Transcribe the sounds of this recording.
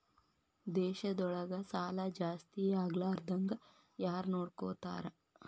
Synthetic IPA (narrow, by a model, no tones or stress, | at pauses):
d̪ɛːʃɐd̪ɔɭɐɡɐsaːlɐd͡ʒaːst̪iaːɡlɐːɾd̪ʱɐŋɡɐ | jaːɾnoːɽko̰ːt̪a̰ːɾɐ